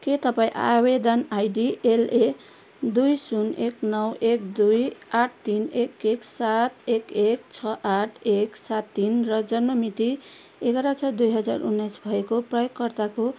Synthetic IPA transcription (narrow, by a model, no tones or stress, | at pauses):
ket̪ʌpaĩʔa̰bed̪ʌnajɖiele | d̪ujsuneknʌwekd̪ujaʈ̚ʰt̪inekeksat̪ekekt͡sʰʌʔaʈʰeksat̪ːinrʌd͡zʌnmʌmit̪i | ekʌɾasʰʌd̪ujɦʌd͡za̰ɾṵnːʌjsbʱʌekoprʌjoɡkʌɾt̪ako